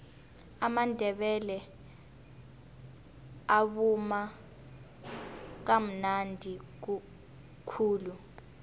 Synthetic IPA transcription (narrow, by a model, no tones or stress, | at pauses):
amandʱɛɓɛlɛ | aɓuma | k̬am̩nandʱik̬u | kʰuːlu